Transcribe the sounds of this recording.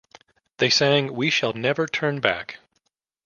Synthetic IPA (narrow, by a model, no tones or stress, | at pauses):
ðeɪsæ̃ŋwiʃəlˠnɛvə˞tʰɜ̃˞nbæ̰k